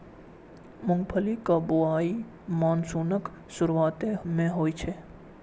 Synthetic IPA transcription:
mʊ̃ŋɡpʰəlikabʊaːi | maːnsuːnək | sʊɾwaːt̪emẽɦoːit͡ʃʰe

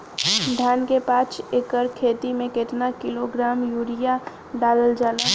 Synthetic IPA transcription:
d̪ʱjaːnkepaːt͡ʃekəɾkʰeːt̪imẽkeʈ̪nakɪloɡɾaːmjuːɾija | ɖaːləld͡ʒaːla

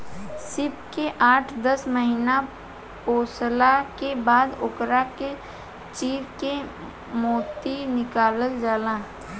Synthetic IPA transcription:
sɪpkeʔaːʈʰd̪əsməɦiːna | poːslakebaːd̪ʊkɾake | t͡ʃiːɾke | moːt̪inɪkaːləld͡ʒaːlãː

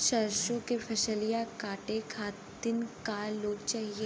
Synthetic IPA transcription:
ʃɐɾʃõkefʰɐʃəlijakaːʈekʰaːt̪ɪnkaːloːɡt͡ʃaːɦieː

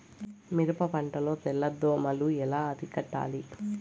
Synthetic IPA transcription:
miɾɐpɐpɐɳʈɐlo̞ːt̪ɛlːɐd̪ːoːmɐluɛlaːɐd̪ʱikɐʈːa̰ːli

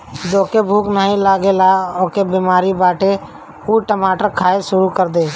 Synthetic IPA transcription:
d͡ʒ̪oːkebʱuːknaːɦĩlaːɡelaːoːkebiːmaːɾibaːʈe | uːʈəmaːʈəɾkʰaːeʃʊɾukəɾd̪eː

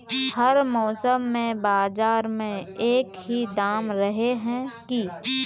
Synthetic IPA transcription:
hɐɾmɔːsəmːẽbaːzaːɾmẽeːkɦid̪aːmɾɐɦeɦɛ̃ki

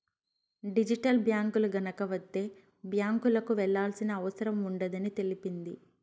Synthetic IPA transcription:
ɖid͡ʒiʈɐlbjaːŋkuluɡɐnɐkɐʋɐd̪ːe̞ː | bjaːŋkulɐkuʋɛɭːaːlsinɐːʋɐsɐɾɐmuɳɖɐd̪ɐnit̪e̞lipind̪i

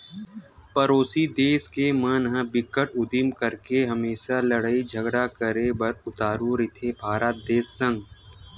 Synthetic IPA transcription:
pɐɾoːsid̪eːskeməːnɦə̃bɪkːəʈʊd̪ɪmkəɾkeɦɐmeːʃalɐɽaːid͡ʒʱəɡɽakəɾebɐɾʊt̪aːɾuɾɪt̪ʰebʱaːɾət̪̚d̪eːsːə̃ŋɡ

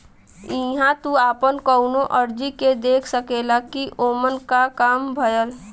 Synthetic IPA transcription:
ɪɦãt̪uaːpənkəʊnõʔəɾd͡ʒiked̪eːkʰsəkeːlakiʔoːmənkakaːmbʱɐjəl

